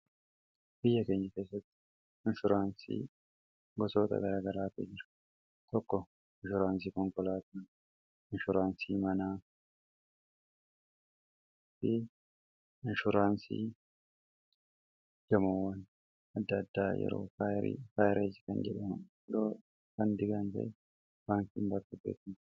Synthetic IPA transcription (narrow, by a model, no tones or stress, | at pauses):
b̥ɪjːɐke̞ːɲːɐke̞ːsːɐt̪ːɪ̥ | ɪnʃʊɾaːnsḭː | ɡɔsoːt̪ɐ̰ɡɐɾaːɡɐɾaːt̪ɪ̰d͡ʒɪɾ | t̪ɔkːɔ | ɪnʃʊɾaːns̬ikɔŋkɔlaːt̪ɐ | ɪnʃʊɾaːnsiːmɐnaː | fɪ | ɪnʃʊɾaːnsḭː | d͡ʒɐmowɐn | ɐd̪ːɐd̪ːaːjɛ̰ɾo̰ːkaɾḭkaːjɪɾʔed͡ʒɪkɐnd͡ʒɛᶑɐmʊ | d̪oː | kɐnd̪ɪɡɐnt̪ɐ̰ɛ | baːŋkiːnbɐɾk̪ʊbḛːt̪ɪn